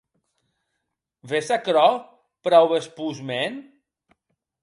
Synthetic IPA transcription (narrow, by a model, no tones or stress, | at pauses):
βesakɾɔ | pɾɔwβespuzmen